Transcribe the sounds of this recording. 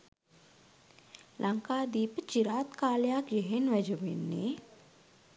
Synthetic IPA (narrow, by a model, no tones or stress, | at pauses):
lʔɐŋkaːd̪iːpt͡ʃiɾaːt̪kaːljaːkjeɦenʋɐd͡ʒoʋḛnːḛː